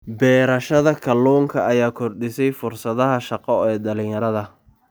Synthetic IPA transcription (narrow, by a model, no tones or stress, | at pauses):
bɛːɾɐʃɐðɐkʰɐlːɔːŋkʰɐʔɐjaːkʰɔrd̪ɪsɛjfʊrsɐðɐɦɐʃɑqɔɛːɖɐlɪ̃jɐɾɐðɐ